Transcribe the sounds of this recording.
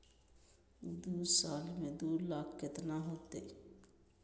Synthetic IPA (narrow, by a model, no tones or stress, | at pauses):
d̪uːsaːlmẽd̪uːɾlaːkʰkɪt̪naɦoːt̪eː